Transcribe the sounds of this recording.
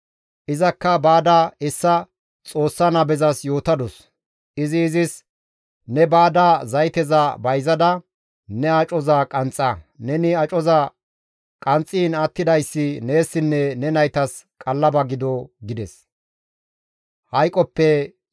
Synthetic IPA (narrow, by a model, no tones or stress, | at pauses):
ʔɪzɐkːɐbaːd̪aːɪsːɐ | t͡sʼo̞ːsːɐnɐbɛzɐsjo̞ːt̪ɐd̪ɔs | ʔɪzɪːzɪs | nɛbaːd̪aːzɐjt̪ɛzɐbɐjzɐd̪ɐ | nɛɐt͡ʃʼɔzaːkʼɐnt͡sʼːɐnɛnɪɐt͡ʃʼɔzaː | kʼɐnt͡sʼːiːnɐt̪ːɪd̪ɐjsːɪne̞ːsːɪnːɛnɛnɐjt̪ɐskʼɐlːɐbɐɡɪd̪ɔɡɪd̪ɛs | hɐjkʼɔpːɛ